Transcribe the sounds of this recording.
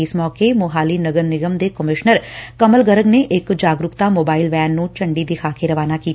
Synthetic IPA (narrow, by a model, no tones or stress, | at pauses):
ɪsmɔːkeːmʊɦaːliːnəɡəɾnɪɡəmd̪eːkəmɪʃnəɾkəməlɡəɾəɡneːʔɪkd͡ʒaːɡɾʊkt̪aːmoːbaːɪlʋɛːnːũːt͡ʃəɳɖiːd̪ɪkʰaːkeːɾəʋaːnaːkiːt̪